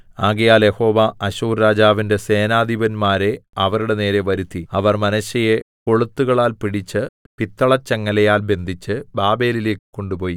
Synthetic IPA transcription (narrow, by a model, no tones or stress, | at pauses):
aːɣɐjaːljeho̞ːʋɐʔɐɕuːrːaːd͡ʑaːʋinde̞se̞ːnaːd̪ʱiʋɐnmaːɾe̞ɐʋɐɾuɽe̞ne̞ːɾe̞ʋɐɾut̪ʰːiɐʋɐrmɐnɐɕɐje̞ko̞ɭut̪ːuɣɐɭaːlpiɽit͡ɕːɨ | pit̪ːɐɭɐt͡ɕːeŋːɐlɐjaːlbe̞nd̪ʱit͡ɕːɨbaːbe̞ːlile̞ːkːɨ̥kːo̞ɳɖupo̞ːji